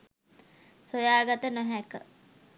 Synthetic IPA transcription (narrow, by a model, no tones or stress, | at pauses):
sojaːɡat̪ənoɦækə̰